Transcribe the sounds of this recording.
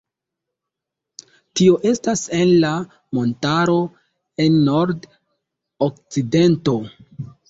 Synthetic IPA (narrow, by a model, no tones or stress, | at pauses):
tio̞ʔe̞stase̞nla | mo̞ntaɾo̞ | e̞nːo̞ɾd | ok̚t͡side̞nto̞